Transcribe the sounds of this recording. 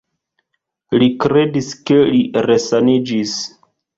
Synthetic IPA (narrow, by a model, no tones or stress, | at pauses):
likɾe̞diske̞liɾesanid͡ʒis